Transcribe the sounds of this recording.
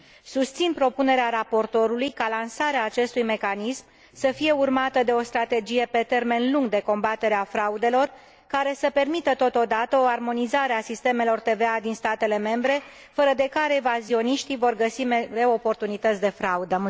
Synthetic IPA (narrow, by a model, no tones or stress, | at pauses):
sust̪sinpɾo̞pune̞ɾeaɾapo̞rt̪o̞ɾulujkalansaɾeaːt͡ʃe̞st̪ujme̞kanism | səfije̞urmat̪əd̪e̞o̞st̪ɾat̪e̞d͡ʒije̞pe̞t̪e̞rme̞nluŋɡd̪e̞ko̞mbat̪e̞ɾeafɾaud̪e̞lo̞r | kaɾe̞səpe̞rmit̪ət̪o̞t̪o̞d̪at̪əoarmo̞nizaɾeasist̪e̞me̞lo̞rt̪e̞ve̞ad̪inst̪at̪e̞le̞me̞mbɾe̞ | fəɾəd̪e̞kaɾeevazio̞niʃt̪ivo̞rɡəsimeɾeopo̞rt̪unit̪ət̪sʲd̪e̞fɾaud̪ə